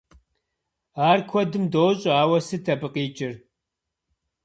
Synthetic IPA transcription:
aːrkʷʰɔdɨmdoːɕʼaːwɐsɨtʰɐbɨqiːt͡ʃʼɪr

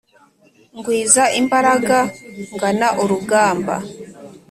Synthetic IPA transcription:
ŋɡwiːzaʔimbaɾaɡaŋɡanaʔuɾuɡaːmba̰

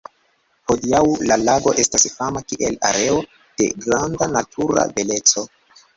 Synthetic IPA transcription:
ho̞diawlalaɡo̞ʔe̞stasfamakiʔe̞la̰ɾe̞o̞ | d̥e̞̰ɡɾandanatʰuɾa̰ve̞le̞t͡so̞

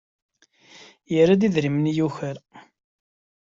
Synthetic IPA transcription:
jəɾad̪iðɾimənjuçəɾ

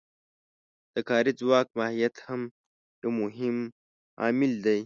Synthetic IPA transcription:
d̪̥əkɑːɾid͡zwɑːk̚maːhijat̪hɐm | jomʊɦɪm | ɑ̰ːmɪld̪aj

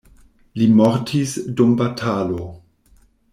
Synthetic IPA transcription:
limɔɾtʰisdumbatʰalo

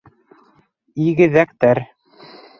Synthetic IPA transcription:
iɣɘ̆ðæk̚t̪æɾ

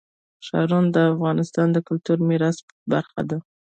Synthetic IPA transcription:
ʃɑ̰ɾund̪əafɣɑnɪst̪ɑnd̪əkʊlt̪uɾmiɾɑs | ba̰ɾxa̰d̪a

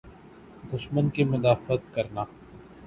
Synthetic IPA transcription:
d̪ʊʃmənkimʊlaːfət̪̚kɐɾnaː

